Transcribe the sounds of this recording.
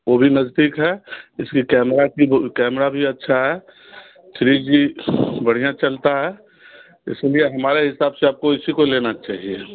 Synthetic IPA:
obʱinəzd̪iːkɦɛɪskikɛːmɾakikɛːmɾabʱiətːʃʰaɦɛ | ʃɾid͡ʒibəɽ̤ijãt͡ʃəlt̪aɦɛ | ɪ̰slieɦəmaːɾeɦɪsaːbseaːb̚koɪsikolenat͡ʃaːɦie

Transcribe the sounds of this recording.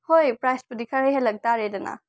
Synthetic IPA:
hojpɾajsbɐdikʰɐɾejɦelɐk̚daɾedɐna̰

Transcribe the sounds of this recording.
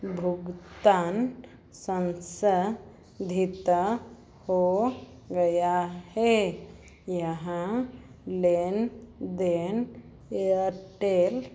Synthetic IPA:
bʱuɡt̪aːn | sə̃nsə | d̪ʱit̪a | ho | ɡəjahɛ | jəɦã | lend̪en | eəʈeːl

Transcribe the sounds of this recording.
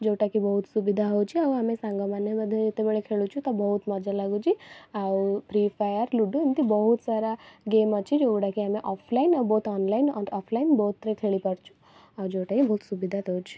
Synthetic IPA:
d͡ʒewʈakibɔɦut̪subid̪ʱaɦot͡ʃʰiauamesãŋɡamanebəd̪ʱːjed͡ʒit̪ebeɭekʰeɭut͡ʃʰut̪ɔbɔɦut̪mɔd͡ʒalaɡud͡ʒiawpɾipʰajəɾluɖũemt̪ʰibɔɦut̪saɾaɡeːmət͡ʃʰid͡ʒoɡɽakiɦameʔɔpʰlainawbout̪ɔnlainɔ̰ɳɖɔpʰlainbɔɦut̪ːɾekʰeɭipəɽt͡ʃʰu̥ | awd͡ʒeʈakibɔɦut̪subid̪ʱat̪ʰɔwt͡ʃʰi̥

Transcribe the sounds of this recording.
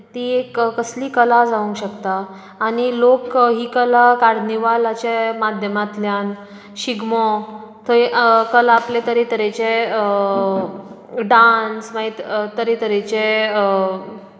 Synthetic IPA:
t̪iːekkəsliːkəlad͡zaʋũŋkɕəkt̪aː | ñilokɦiːkəlakaɾniʋalat͡ɕamad̪ʱjəmat̪ljan | ɕiɡmɔ | t̪ʰəkəlaplet̪əɾet̪əɾet͡ɕeə | ɖansʋaɦit̪t̪ːəɾet̪əɾet͡ɕe

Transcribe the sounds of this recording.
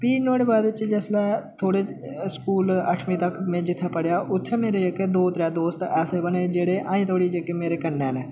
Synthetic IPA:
piːnoːɽeːbaːd̪t͡ʃd͡ʒɛːslɛːt̪ʰoːɽeːskuːləʈʰmĩːt̪əkmẽːd͡ʒɪt̪ʰːaːpəɽjaːʔʊt̪ʰːeːmeːɾeːd͡ʒekːed̪oːt̪ɾɛːd̪oːst̪ɛːseːbəneːd͡ʒeːɽeːʔaːĩːt̪ʰoːɽiːd͡ʒekemeːɾeːkənːɛːneː

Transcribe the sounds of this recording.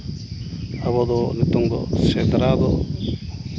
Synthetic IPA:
abɔd̪ɔnit̪ɔŋd̪ɔ̰sɛd̪ɾad̪ɔ

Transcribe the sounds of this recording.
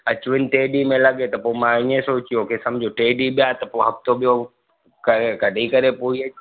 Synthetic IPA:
ɐt͡ɕʊʋɪnɪ̆ʈeːɖimẽlɐɠet̪ɐpoːemãɪ̃ɲẽsoːt͡ɕijokʰesɐ̃md͡ʑʱoʈeːɖiɓijat̪ɐpoɦɐft̪ʰoɓijo | kɐekɐɖʱikɐɾepoːiɐ

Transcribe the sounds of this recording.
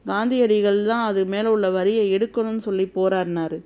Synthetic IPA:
ɡaːnd̪ɪjɐɽɪɣɐɭt̪ãːɐðɯmeːlʊɭːɐʋɐɾɪjɐɛɽɯkːɐɳɯnːɯsɔlːipːoːɾaːɾnaːɾɯ

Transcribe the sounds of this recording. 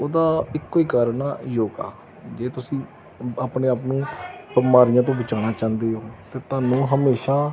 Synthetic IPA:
oːd̪aːɪkːoːiːkaːɾnaːjoːɡa̰ː | d͡ʒeːt̪ʊsĩː | aːpneːaːpnũːbəmaːɾɪjãːt̪̬õːbət͡ʃaːñaːt͡ʃãːnd̪eːoːt̪eːt̪ʊaːnũːɦəmeːʃaː

